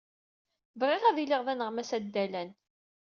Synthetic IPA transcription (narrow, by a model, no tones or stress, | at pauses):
vʁiʁæviliʁvænəʁmæsæd̪ːælæn